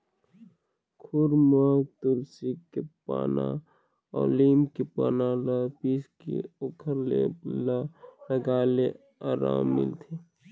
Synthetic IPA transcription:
kʰʊɾmaːɡ̚t̪ʊɾsikepa̰ːna̰ | ɔːliːmkepaːnalapiːskḛoːkʰəɾlḛlaləɡaːle | aːɾa̰ːmːɪ̰lt̪ʰe

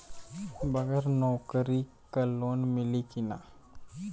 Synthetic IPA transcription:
bɐɡəɾnoːkəɾi | kəlːonmilikina̰

